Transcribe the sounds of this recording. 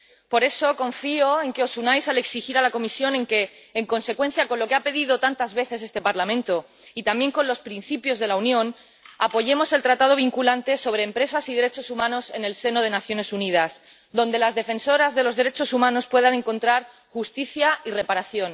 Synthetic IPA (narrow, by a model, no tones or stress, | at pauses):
po̞ɾe̞so̞kõ̞ɱfioe̞ŋkeo̞sunajsale̞ksixiɾalako̞misjo̞nẽ̞ŋke̞ː | ŋko̞nse̞kwe̞n̟θjako̞nlo̞keape̞ð̞iðo̞t̪ant̪azβe̞θe̞s̬e̞st̪e̞paɾlamẽ̞nt̪o̞ | it̪ambje̞ŋko̞nlo̞spɾinθipjo̞zð̞e̞launjõ̞n | apo̞ʝe̞mo̞selt̪ɾat̪að̞o̞β̞iŋkulant̪e̞so̞β̞ɾe̞ːmpɾe̞sasiðeɾe̞t͡ʃo̞sumãno̞se̞ne̞lse̞no̞ð̞e̞naθjo̞ne̞sunið̞as | d̪o̞nd̪e̞lazðe̞fẽ̞nso̞ɾazðe̞lo̞zðe̞ɾe̞t͡ʃo̞sumãno̞spwe̞ð̞anẽ̞ŋkõ̞nt̪ɾaɾ | xust̪iθjaire̞paɾaθjo̞n